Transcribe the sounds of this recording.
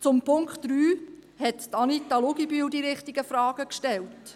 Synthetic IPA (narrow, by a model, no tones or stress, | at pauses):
t͡sʊmpʰʊŋkχtd̥ɾyː | hɛttɑnitːɑlʊɡibyːwdiɾɪχtiɡəfɾɑːɡ̥əkʃtɛlt